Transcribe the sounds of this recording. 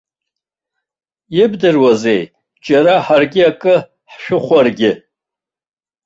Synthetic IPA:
jɪbdɨrwaze̞j | d͡ʒʼaɾaħarɡʲɪakʼɨ | ħʃᶣʊχʷarɡʲɪ

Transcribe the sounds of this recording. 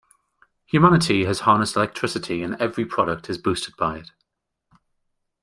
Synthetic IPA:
hjʉmanɪtʰiəz̥hɑːnɪstɪlɛk̚tʰɹ̥ɪsɪtʰiə̃nɛvɹipʰɹ̥ɒɾək̚tʰɪzbʉˑstɪd̚baɪɪt

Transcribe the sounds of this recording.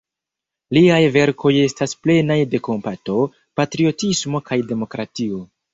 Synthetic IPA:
liajve̞ɾkʰo̞je̞stasple̞najde̞ko̞mpato̞ | patɾio̞tismo̞kajde̞mo̞kɾatio̞

